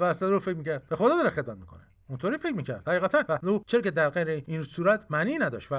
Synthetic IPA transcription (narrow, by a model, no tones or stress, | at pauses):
væsæɾuːɾfecmiːcʰæɾd̪̥bexod̪ɒːd̪ɒːɾexed̪mæt̪̚miːkʰo̞̰ne | unt̪ʰoɾiːfecʰmiːcʰæ̰ɾd̪̥̚hæɣiːɣæt̪ʰænvæuːt͡ʃʰeɒcʰʲed̪æɾɡejɾeinsuːɾæt̪ʰmæniːnæd̪ɒ̰ʃt̪væ